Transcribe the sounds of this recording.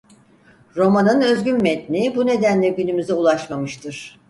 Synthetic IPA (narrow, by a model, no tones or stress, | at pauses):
ɾo̞manɯnø̞zɟynmɛt̪nʲibune̞d̪ænlʲɛɟynymyzɛulˠaʃmamɯʃt̪ʰɯɾ̥